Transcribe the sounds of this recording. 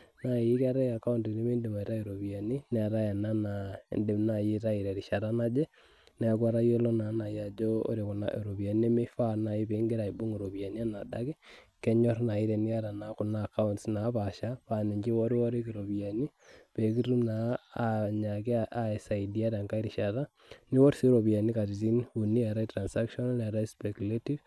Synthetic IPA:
na˨i˦ka˦ɾɛ˦a˨ka˦u˦ntne˦me˦nde˨ma˨i˦ɾa˦i˨ɾo˨βja˨ni˦nɛ˨a˨ɾa˦ja˨na˦na˨ḛ˨nde˨mna˨je˦ɾa˦i˨ɾɛ˨ɾi˨ʃa˨ɾa˦na˦d͡ʒɛ˦ | nɛ˨˦kwa˦ɾa˦jo˦lɔ˦na˨˦na˨ja˨d͡ʒo˦o̰˦ɾe˨ku˨na̰˦ʔe˨ɾo˨βja˨ni˦e˦me˦fa˦na˨i˦pe˨˦ŋɡɪ˦ɾa˨i˨bu˦ŋo˨ɾo˨βja˨ni˦a˦na˨da̰˦ki˦kɛ˦ɲɔ˦ɾna˨i˦ɾɛ˨ni˦a˦ɾa˨na˨ku˨na˦˨ka˦untsna˨˦pa˨ʃa˦pa˨ni˨ɲd͡ʒi˦wɔ˦ɾwɔ˦ɾe˦ki˨ɾo˨bi˨a˨ni˦pe˨˦ki˦ru˦mna˨a˨ɲa˨ki˦aa˨ɛ˨sa˨i˨di˦a˦ɾa˨ŋka˦i˦ɾi˨ʃa˨ta˦ | ni˦wɔ˦ɾsi˦ɾo˨bi˨a˨ni˦ka˨ti˨si˦nu˨ni˦a˨ɾa˦itɾa˨nsa˦kʃɔ˦na˦nɛ˨ɾa˦spɛ˨ku˨le˦ti˦v

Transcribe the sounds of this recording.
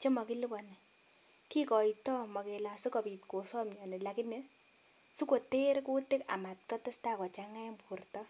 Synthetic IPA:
t͡ʃe˦mɔ˨ki˦li˦bɔ˨nɛ˨ | ki˦kɔ˨itɔ˦mɔ˨ke˨la˨su˦kɔ˨pi˨tko˨sɔ˦mɲɔ˨ne˨la˨kɪ˦ne˦ | su˦ko˨te˦ɾku˦tɪ˦ka̰˨ma˨t̚kɔ˦tɪ˦sta˦kɔ˨t͡ʃa˦ŋa˦mpu˨rtɔ˦

